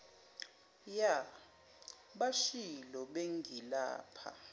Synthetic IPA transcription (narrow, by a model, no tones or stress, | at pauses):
ja | ɓaʃilɔɓeŋɡʱila̰ːpʰa̰